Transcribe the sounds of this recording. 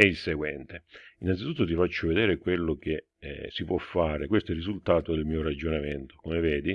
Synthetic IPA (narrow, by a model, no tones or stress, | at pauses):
ɛilseɡwɛnt̪einant̪sit̪ut̪ːot̪̬ifat͡ʃːoved̪ɛːɾekwelːok̟ḛ | sipwʔɔfːaːɾekwest̪oɛrːizult̪aːt̪od̪elmiːoɾad͡ʒːonament̪o̥komevɛːd̪i